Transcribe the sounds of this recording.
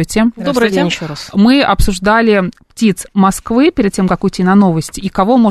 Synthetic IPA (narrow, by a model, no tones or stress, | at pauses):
jtʲɪd̪obɾʲɾsmɨɐpsʊʐd̪alʲɪptʲit̪smɐskvɨpʲɪɾʲɪd̪̚tʲemkɐkujɪt̪ʲinɐno̞vəsʲtʲikɐvo̞mo